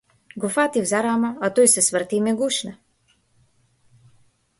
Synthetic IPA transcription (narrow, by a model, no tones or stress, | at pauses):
ɡofat̪ivzaɾamaat̪ɔjsɛsvəɾt̪imɛɡuʃna